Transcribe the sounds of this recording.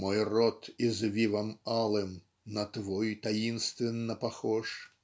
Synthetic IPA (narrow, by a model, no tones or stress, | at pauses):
mɔjrɔt̪izvʲivamalˠɛm | nɐt̪vɔjt̪ajinst̪vʲɛnːɐpaxɔʂ